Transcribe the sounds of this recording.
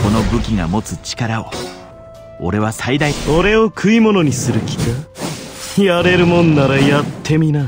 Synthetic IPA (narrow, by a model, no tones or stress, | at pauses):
ko̞no̞bɯ̟kʲiɡa̰mo̞t͡sɨt͡ɕi̥kaɾao̞̰ | o̞̰ɾe̞β̞asaid̪aioɾe̞o̞kʰɯ̟imo̞no̞ɲ̟isɨɾɯ̟kʲi̥ka | jaɾe̞ɾɯ̟mõ̞nːaɾajat̪ʰːe̞mʲina